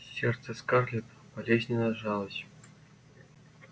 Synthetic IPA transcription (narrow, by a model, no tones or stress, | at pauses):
sʲert̪t͡sɘ̆skɑrlʲɘpʲ | palʲesʲnʲenɑʐɑlˠɤ̆ɕ